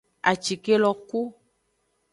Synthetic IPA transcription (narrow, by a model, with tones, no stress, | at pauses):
a̰˨t͡ʃi˨ke˦lɔ˦ku˦